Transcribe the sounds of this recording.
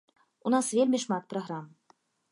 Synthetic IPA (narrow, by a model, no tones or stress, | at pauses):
unasvʲelʲmʲiʂmɑt̪̚prɐɣɾam